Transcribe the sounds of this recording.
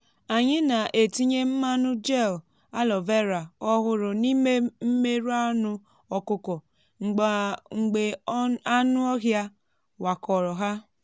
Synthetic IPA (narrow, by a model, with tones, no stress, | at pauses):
a˨ɲɪ˦na˨ʔe˨ti˦ɲe˦m̩˦ma˦nʊ˦d͡ʒe˦˨l | a˦lɔ˨ve˦ɾa˨ɔ˦ɣʊ˦ɾʊ˨ni˦e˦m̩˦me˦ɾu˦a˦nʊ˦ | ɔ˨kʊ˦kɔ˨ | ŋ͡m̩˨ɡ͡ba˨ŋ͡m̩˨ɡ͡be˨a˦nʊ˦ɔ˦ɦja˦ | wa˨kɔ˨ɾɔ˨ɦa˦